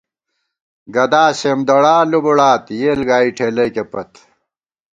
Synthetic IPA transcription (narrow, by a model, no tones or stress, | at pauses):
ɡɐd̪aːsemd̪ɐɽaːlubuɽaːt̪jeːlɡaːiʈʰeːlɐjkepɐt̪